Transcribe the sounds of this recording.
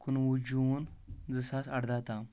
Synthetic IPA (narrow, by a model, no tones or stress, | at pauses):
kunwud͡ʑund͡zəsasaɽd̪at̪a